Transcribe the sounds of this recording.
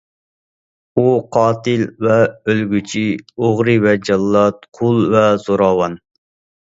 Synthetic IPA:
uqʰɑːt̪ɪlvɛølɡʲyt͡ʃʰioʁɾɨvɛd͡ʒɑlˠːɑt̪̚qʰʊlˠvɛzoɾɑːwɑn

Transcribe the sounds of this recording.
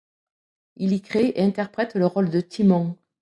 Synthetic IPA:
ilikχeeɛ̃t̪ɛʁpχɛt̪ləʁɔld̪ət̪ʰimɑ̃

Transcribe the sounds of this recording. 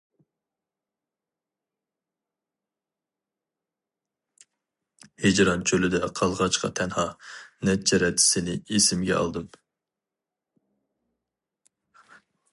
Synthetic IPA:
hed͡ʒɾɑnt͡ʃʰølɪd̪ɛqʰɑlˠʁɑt͡ʃqʰɑ̰t̪ʰɛnhɑnɛt͡ʃʰɛɾɛt̪ʰːɪ̥sɪnɪesɪmɡʲɛ̰ɑ̰lˠd̪ɨm

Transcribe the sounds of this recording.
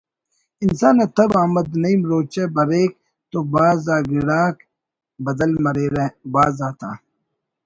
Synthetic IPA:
insaːnɐt̪ʰɐbaːmɐd̪nɐimɾoːt͡ʃebɐɾeːk̚ | t̪oːbaːzaːɡiɽaːk | bɐd̪ɐlmɐɾeɾebaːzaːt̪ʰa̰ː

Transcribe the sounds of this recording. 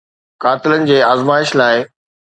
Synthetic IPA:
kaːt̪ɪlənɪ̆d͡ʑeːaːzmaːɪʃlaːɪ

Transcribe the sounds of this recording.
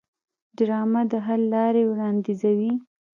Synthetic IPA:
ɖɾɑmad̪əɦallɑɾewɽɑnd̪izawi

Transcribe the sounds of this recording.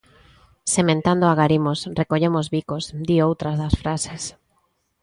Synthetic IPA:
semẽnt̪and̪oaɣaɾimosrekoʎemozβikozd̪iowt̪ɾazðasfɾases

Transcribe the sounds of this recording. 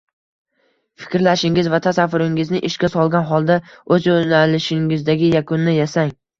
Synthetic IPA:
fɪ̥kʲɾlaʃɪŋɪzvat̪ʰasafːʊɾɪŋɪznɪʔɪʃkʲasɒlˠɡʲanɦɒlˠd̪aɵzonalɪʃɪŋɪzd̪aɡʲɪjakʰʊnːɪjasaŋ

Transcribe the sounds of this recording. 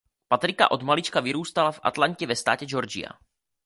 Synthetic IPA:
pat̪ɾɪka̰ʔo̞d̪malit͡ʃkavɪɾuːst̪alafʔa̰t̪laɲcɛvɛst̪a̰ːcɛd͡ʒoɾd͡ʒɪ̰a̰

